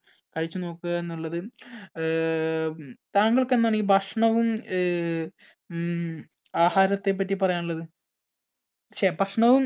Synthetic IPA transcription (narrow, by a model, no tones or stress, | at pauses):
kɐɻit͡ɕːuno̞ːkːɨɣɐenːuɭːɐðɨ | t̪aːŋɡɐɭke̞nːaːɳibʱɐʂɳɐʋum | aːhaːɾɐt̪ːe̞p̬ːɐtːipɐrɐjaːɳuɭːɐðɨ | ɐʂebʱɐʂɳɐʋum